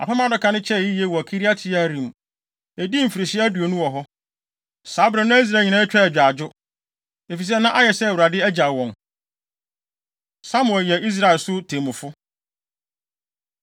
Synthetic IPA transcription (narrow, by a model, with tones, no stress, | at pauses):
a̰˨pʰɛ˦mã˦˨dɔ˦kʰã˨nɪ̃˦t͡ɕʰɛ˦˨i˦je˦˨wɔ˨æ˨kʰi˦ɾi˦a˦tʰɪ˨˦a˦˨ɾĩ˨m˨ | æ˨di˦m̩˨fi˨ɾi˨ɕɪ˦æ˦du˨o˨nũ˦wɔ˨ɦɔ˦ | saː˨˦bɾã˨nã˦i˦s̬ɾa˦˨ɲĩ˨nã˦t͡ɕᶣɛ˦ɛ˨d͡ʑᶣa˨d͡ʑʊ˦ | e˨fi˨s̬ɛ˦nã˦ʔa˦jɛ˨sɛ˦˨wɾa˨dɪ˦æ˦d͡ʑa˨wɔ̃˨n | sa˦mʊ̃˨ɛ˨jɛ˨i˦s̬ɾa˦˨ɛ˨lsʊ˦tʰẽ˨mʊ̃˨fʊ˦